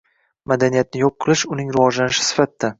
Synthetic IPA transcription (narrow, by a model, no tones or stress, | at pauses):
mad̪anijat̪̚nɪjɒp̚qʰɨlˠɪʃʊnɪŋɾɪvɒd͡ʒlanɪʃɪ̥sɪ̥fat̪ːa